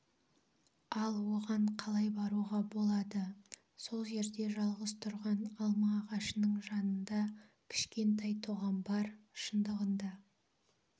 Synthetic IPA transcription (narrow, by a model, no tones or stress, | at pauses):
ɑlˠwo̞ʁɑɴqʰɑlˠɑjbɑɾuʁɑbo̞lˠɑd̪ə | so̞lˠʒe̞ɾd̪e̞ʒɑlˠʁəst̪ʰʊɾʁɑnɑlˠmɑːʁɑʃənəɴʒɑnənd̪ɑ | kʲʰɪ̥ʃkʲe̞nt̪ɑjt̪ʰuʁɑmbɑɾʃənd̪əʁənd̪ɑ